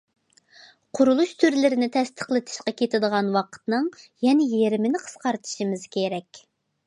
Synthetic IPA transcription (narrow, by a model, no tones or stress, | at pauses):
qʰʊɾulˠuʃt̪ʰyɾlɪɾɪnɪt̪ʰɛst̪ʰə̥χlˠɨt̪ʰɨ̥ʃqɑkʲet̪ɪd̪əʁɑnwɑqʰə̥t̪nɨŋjɛnɪjeɾɪmɪnɪqʰə̥sqɑɾt̪ʰɨ̥ʃimɪzkʲʰeɾɛkʲ